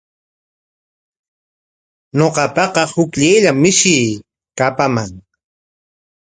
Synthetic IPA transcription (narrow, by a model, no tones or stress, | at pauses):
ɲoqɑpɑqɑhʊkʎajʎamɪʃɪː | kapamaŋ